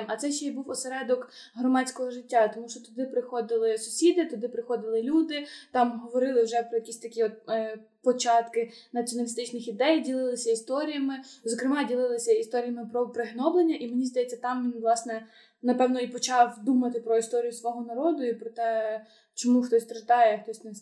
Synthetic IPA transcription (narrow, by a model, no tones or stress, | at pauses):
mɐt̪sɛʃt͡ʃɛibuwɔseɾɛd̪ɔkɦɾɔmɑt͡sʲkɔɦɔʒɪtʲːat̪ɔmuʃt͡ʃɔt̪ʊd̪ɪpɾɪxɔd̪ɪlˠɪsʊ̥sʲid̪ɪt̪ʊd̪ɪpɾɪxɔd̪ɪlˠɪlʲud̪ɪt̪ɑmɦɔʋɔɾɪlˠɪwʒɛpɾɔjɐkʲisʲt̪ɐkʲiɔt̪̚ | pɔt͡ʃɑt̪kɪnɐt͡sʲiɔnɐlʲist̪ɪt͡ʃnɪxid̪ɛjdʲilˠɪlˠɪsʲɐist̪ɔɾʲijɐmɪzɔkɾɪmɑdʲilˠɪlˠɪsʲɐist̪ɔɾʲijɐmɪpɾɔpɾɪɦnɔblˠenʲːɐʔimenʲizd̪ɐjɛt͡sʲːɐt̪ɑmʋʲinʋlˠɑsnɛ | nɐpɛwnɔipɔt͡ʃɑwd̪umɐt̪ɪpɾɔist̪ɔɾʲijʊsʋɔɦɔnɐɾɔd̪ʊipɾɔt̪ɛ | t͡ʃɔmuxt̪ɔsʲt̪ɾɐt̪ɑjɛxt̪ɔsʲnɛ